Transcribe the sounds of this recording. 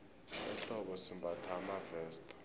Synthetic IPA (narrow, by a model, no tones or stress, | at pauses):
ɛ̰ɬɔɓɔsimbʱatʰamavɛːstʰʼ